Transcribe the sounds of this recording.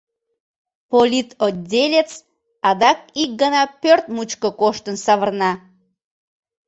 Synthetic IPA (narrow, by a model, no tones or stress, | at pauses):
polʲit̪odʲːelʲet͡s | ɑd̪ɑk̚ik̚ɡənɑpørt̪mut͡ɕkəkoʃt̪ənsɑβərnɑ